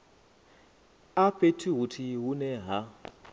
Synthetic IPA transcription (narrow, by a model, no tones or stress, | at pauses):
apetʰiɦutʰiɦunɛɦa